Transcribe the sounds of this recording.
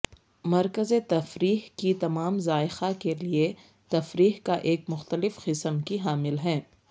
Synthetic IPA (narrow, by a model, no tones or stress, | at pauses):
mɐɾkəzet̪ɐfɾiːɦkit̪ɐmaːmzaːɪxakelie | t̪ɐfɾiːɦkaʔeːkmʊxt̪əlɪfqɪsəmkiɦaːmɪlɦɛ̃ː